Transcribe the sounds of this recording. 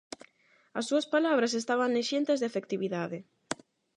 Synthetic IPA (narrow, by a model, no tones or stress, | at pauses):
ɐsːuɐspalaβɾas̬est̪aβaŋneʃent̪ezðeafek̚t̪iβiðaðɪ